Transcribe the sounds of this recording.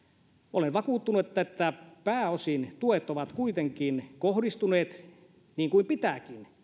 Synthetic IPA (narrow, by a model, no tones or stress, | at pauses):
olenʋɑkuːt̪ːunuet̪ːæet̪ːæpæːosint̪uet̪ːˑoʋɑt̪kuit̪eŋkinkohdist̪uneːt̪ | niːŋkuimpit̪ækin